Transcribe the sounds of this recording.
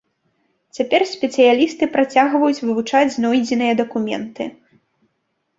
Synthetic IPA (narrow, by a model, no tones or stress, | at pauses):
t͡sʲapʲɛrsʲpʲɛt̪sɨjalʲist̪ɨpɾat͡sʲaɣvɐjut͡sʲvɨvut͡ʂad͡zʲnɔjd͡zʲɪnɨjɐd̪ɐkumʲɛ̰nt̪ɨ